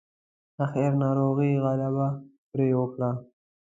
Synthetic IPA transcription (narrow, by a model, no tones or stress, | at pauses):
axeɾnɑɾoɣiɣalabapɾewəkɽa